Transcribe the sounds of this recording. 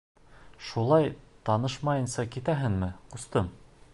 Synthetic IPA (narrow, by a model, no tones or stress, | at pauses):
ʃulˠɑjt̪ɑnɤʃmɑjɤ̆nsɑkit̪æɦɘnmɘqŏst̪ɤm